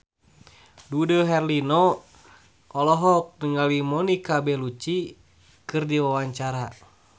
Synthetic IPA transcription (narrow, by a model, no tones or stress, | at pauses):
dudɔɦɛrlinɔ | ʔɔlɔɦɔk̚nəŋalimɔnikabɛlut͡ʃi | kɨrdiwawaɲt͡ʃaɾa